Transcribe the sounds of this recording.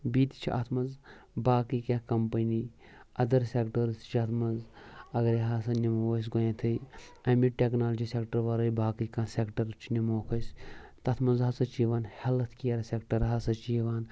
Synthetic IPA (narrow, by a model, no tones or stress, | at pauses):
biːt̪it͡ʃʰiʔɐ̰t̪ʰmɐz | baːkikʲekɐmpɐniː | ɐd̪ɐɾsʲekʈɐɾt̪ʰt͡ʃʰiɐt̪ʰmɐzɐɡɐɾiɦasɐnimoos̬ɡojẽt̪ʰɨɐmiʈʲeknaːld͡ʒiːsekʈɐɾʋɐɾojbaːkikãːsekʈɐɾt͡ʃʰnimoːkʰɐsʲt̪ɐt̪ʰmɐnzɦɐsɐt͡ʃiːʋaːnhelɐt̪ʰkiɐɾsekʈɐɾɦasɐt͡ʃiːʋaːn